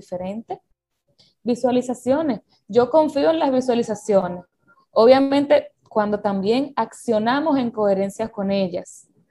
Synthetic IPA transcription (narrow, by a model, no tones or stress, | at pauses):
ife̞ɾe̞nt̪e | biswalisasjo̞ne̞s | ɟ͡ʝo̞ko̞ɱfioe̞nlazβiswalisasjo̞ne̞s | o̞βjamẽ̞nt̪e̞ | kwand̪o̞t̪ambje̞ŋaksjo̞namo̞se̞ŋko̞e̞ɾe̞nsjasko̞ne̞ʝas